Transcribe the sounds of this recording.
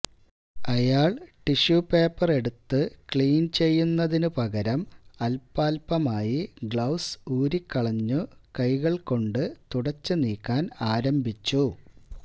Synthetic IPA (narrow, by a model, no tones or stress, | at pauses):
ɐjaːɭʈiɕupe̞ːpːɐre̞ɽut̪ːɨkɭiːnt͡ɕe̞jːunːɐðinɨpɐɣɐɾɐmɐlpaːlpɐmaːjiɡɭɐwsuːɾikːɐɭɐɲːukɐjɣɐɭko̞ɳɖɨt̪uɽɐt͡ɕːɨniːkːaːnaːɾɐmbit͡ɕːu